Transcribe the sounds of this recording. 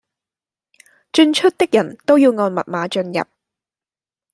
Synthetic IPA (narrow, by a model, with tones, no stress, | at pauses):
t͡ʃɵ˧nt͡ʃʰɵ˥t̚t̪ɪ˥k̚jɐ˨˩nt̪o˥wjiː˧wŋɔː˧nmɐ̰˨t̚maː˨˧t͡ʃɵ˧njɐ̰˨˩p̚